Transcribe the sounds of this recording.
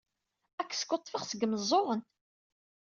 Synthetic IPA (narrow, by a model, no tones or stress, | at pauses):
ækːskːot̪ˤːfəχsəɡməzˤːoʁənt̪